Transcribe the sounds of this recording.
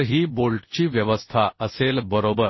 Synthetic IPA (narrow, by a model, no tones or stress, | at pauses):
ɦiːboɭʈt͡ɕiːʋjəʋəst̪ʰaəselbəɾobəɾ